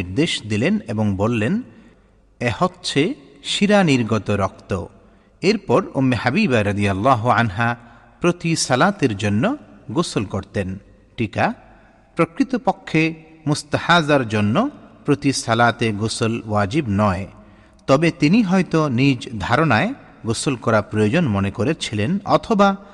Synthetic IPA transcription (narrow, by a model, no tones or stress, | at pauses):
iɾd̪eʃd̪ilenebɔŋbolːen | ehɔtːʃʰe | ʃiɾaniɾɡɔt̪ɔɾɔkt̪ɔ̰ | eɾpɔɾo̰mːehabibaɾɐd̪ijalːaːɦuanɦa | pɾot̪isalat̪eɾd͡ʒonːɔɡusɔlkɔɾt̪en | ʈika | pɾɔkɾit̪ɔpɔkʰːe | must̪ahazaɾd͡ʒonːɔpɾot̪isalat̪eɡusɔlwad͡ʒibnɔe | t̪ɔbet̪iniɦɔjt̪ɔnid͡ʒd̪ʱaɾɔnae | ɡosɔlkɔɾapɾɔjod͡ʒɔnmɔnekɔɾeɾt͡ʃʰilenɔt̪ʰɔba